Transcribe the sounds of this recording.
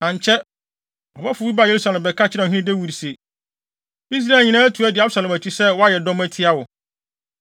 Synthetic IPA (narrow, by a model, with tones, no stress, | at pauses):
nã˨ɲ˨t͡ɕʰɛ˦ | ɔ˨bɛ˦fʊ˨˦i˦ba˦˨je˨˦ɾu˦sa˨lɪ̃˨mbɛ˨kʰa˦t͡ɕʰɪ˦ã˨ɦĩ˦nɪ̃˦de˦wu˨ɾi˨se˨ | i˦s̬ɾa˦˨ɲĩ˨nãː˦æ˦tʰu˨æ˦dɪ˨a˦bsa˨lɛ̃˨mæ˨t͡ɕʰi˦sɛ˦wɔ˦a˦jɛ˨dɔ̃˦mæ˦tʰɪ˦a˦wʊ˨